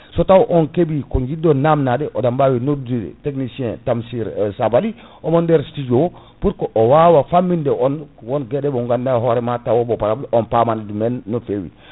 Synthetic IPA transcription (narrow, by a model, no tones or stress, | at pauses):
sɔtawʔɔnkebikɔŋɡidːɔnamnadɛʔɔdambawinodṵteknisiɛ̃ntamsiɾsabali | ʔɔmɔndɛɾstid͡ʒɔw | puɾkɔʔɔwawafamːindɛʔɔnwɔnɡɛɗɛbɔŋɡandaɦɔɾɛmatawɔbɔpaɾabiʔɔnpamanɛdumɛnːɔfewḭ